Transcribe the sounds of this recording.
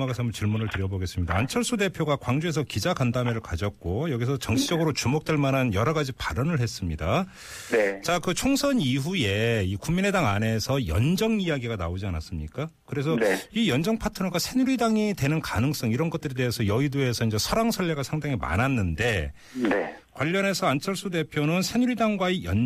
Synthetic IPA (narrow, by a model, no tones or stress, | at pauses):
maɡes̬ʰambt͡ɕiɭmunɯɭtɯɾjʌboɡe̞s͈ɯmɲidaːnt͡ɕʰʌɭs͈ude̞pʰjoɡakwaŋd͡ʑue̞s̬ʰʌkid͡ʑakandame̞ɾɯɭkad͡ʑʌk̚k͈ojʌɡis̬ʰʌt͡ɕʌŋt͡ɕʰid͡ʑʌɡɯɾot͡ɕumok̚t͈weɭmananjʌɾʌɡad͡ʑipaɾʌnɯɭɦhe̞s͈ɯmɲida | net͡ɕakɯt͡ɕʰoŋsʰʌniɸuje̞ikunmine̞daŋane̞sʰʌjʌ̰nd͡ʑʌŋijaɡiɡana̰od͡ʑianas͈ɯmɲik͈akɯɾe̞sʰʌijʌnd͡ʑʌŋpʰatʰɯɾoɡasʰenuɾidaŋidwe̞nɯnkanɯŋs͈ʌŋiɾʌnɡʌt͈̚ɯɾe̞deɦesʰʌjʌidue̞sʰʌind͡ʑe̞sʰʌɾaŋsʰʌʎːeɡasʰaŋdaŋima̰nanːɯnde̞ | nekwaʎːʌne̞sʰʌant͡ɕʰʌɭs͈ude̞pʰjonɯnsʰe̞nuɾidaŋɡwaijʌ̰n